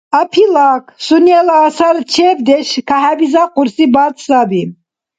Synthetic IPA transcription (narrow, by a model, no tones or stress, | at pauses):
apʰilakʰsuniɛlaːsaɾt͡ʃʰɛːbd̪ɛʃkʰaɦabizaqʼuɾsibat̪sabi